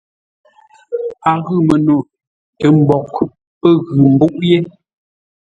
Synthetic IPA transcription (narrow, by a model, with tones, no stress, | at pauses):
a˨ɣɨ˦˨mə˨no˨ | tə˨m̩˨bɔ˨k | pə˦ɣʉ˨m̩˨bu˦ʔje˦